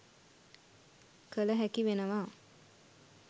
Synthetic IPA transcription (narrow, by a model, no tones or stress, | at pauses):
kələɦækiʋenəʋaː